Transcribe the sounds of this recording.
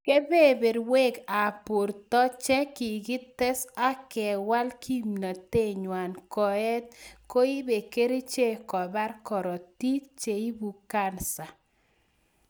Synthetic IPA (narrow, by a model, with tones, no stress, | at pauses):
ke˦be˦be˨ɾwe˦ɡa˨po˨ɾt̪ɔ˦t͡ʃɛ˦kɪ˨ɡɪ˦t̪ɛ˦sa˦kɛ˨wa˦lkʰi˦mna˨t̪e˦ɲwa˨nkɔ˨ɛ˦t̪̚ko˦i˦be˨ke˦ɾi˦t͡ʃe˦kɔ˨ba˦rkɔ˨ɾɔ˨t̪i˦kt͡ʃe˨i˦bu˨ka˦nsa˨